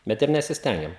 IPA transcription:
ˈbʲɛt ɪr nʲɛsʲɪsʲˈtʲɛŋʲɡʲɛm

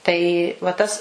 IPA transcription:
tɐɪ ʋɐ ˈtɐs

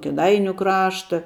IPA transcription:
kʲeːˈdɐɪnʲʊ ˈkrɑːʃtɐ

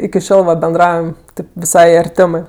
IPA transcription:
ɪkʲɪ ˈʃʲoːlˠ ʋɐ bʲɛnˈdrɐʊjɛm ˈtʲɪp ʋʲɪˈsɐɪ ɐrʲˈtʲæːmɜ

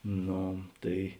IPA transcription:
ˈnoː ˈtɐɪ

